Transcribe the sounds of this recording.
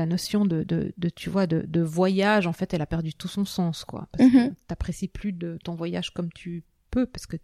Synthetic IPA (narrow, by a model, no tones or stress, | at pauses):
anɔsjɔ̃d̪əd̪ə̰d̪ət̪ʰyvwad̪əd̪əvwajaʒɑ̃fɛt̪ɛlapɛʁd̪yt̪usɔ̃sɑ̃skwa̰paʁskt̪apχesiplyd̪ət̪ɔ̃vwaja̰ʒkɔmt̪ʰy | pøpaʁsə̥kə